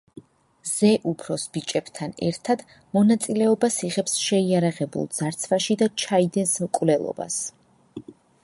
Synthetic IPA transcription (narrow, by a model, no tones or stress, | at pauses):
z̥ɛʔupʰɾɔsbit͡ʃʼɛb̥t̪ʰanɛ̰ɾt̪ʰad̪̥ | mɔnat̪sʼilɛɔbasiʁɛpsʃɛiaɾaʁɛbṵlˠd̪z̥aɾt̪sʰvaʃid̪at͡ʃʰaid̪ɛnsmkʼvlɛlˠɔ̰ba̰s